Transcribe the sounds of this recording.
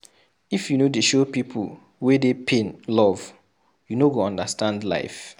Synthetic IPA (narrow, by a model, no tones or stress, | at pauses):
ifjunodeʃopipʰṵl | wedepʰẽnlɔv̥ | junoɡoɔ̃ndastãndla̰ɪf